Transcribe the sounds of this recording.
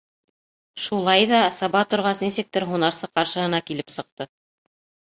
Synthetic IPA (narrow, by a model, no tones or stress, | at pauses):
ʃulˠɑjðɑsɑβɑt̪ŏɾʁɑsnisɘk̚t̪ɘɾɦunɑɾsɤqɑɾʃɤ̆ɦɤ̆nɑkilɘpsɤ̆q̚t̪ɤ